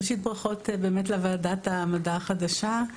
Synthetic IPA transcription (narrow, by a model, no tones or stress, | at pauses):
ʃit̚bʁaχo̞tbe̞ːmet̬leavaadatamadaːχadaʃa